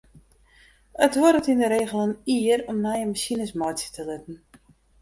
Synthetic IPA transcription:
ətʋɔɾətindəɾeːɣəlˠəniəɾɔmnajənmasinəsmɔjtt͡ssjə̥təlɪtn̩

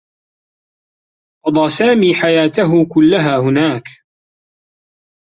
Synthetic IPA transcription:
qɑd̪ˤɑːsaːmiːħajaːt̪aɦʊkʊlːaɦaːhʊnaːk

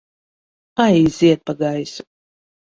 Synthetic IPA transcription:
ajiziɛt̪̚paɡajsu̥

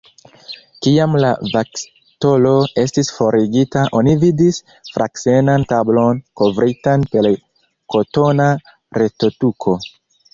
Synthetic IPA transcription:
kiamla̰vak | to̞lo̞e̞stisfo̞ɾiɡitaʔo̞nividis | fɾa̰kse̞nantablo̞nko̞vɾitanpe̞l | ko̞to̞na | ɾe̞to̞tukʰo̞

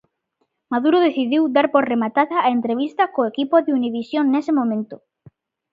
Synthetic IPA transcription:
maðuɾoðeθiðiwd̪aɾpoɾremat̪aðaːent̪ɾeβ̞ist̪ɐkoekipoðeuniβisjonnesemõmẽnt̪ʊ

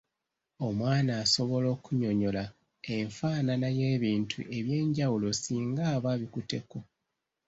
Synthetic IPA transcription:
o̞mwaːnaːso̞βo̞lo̞ːkuɲo̞ɲo̞la | e̞ɱfaːnanaje̞ːβiːntʰṵʔe̞βje̞ːɲɟawulo̞siːŋɡaːβaβikute̞ko̞

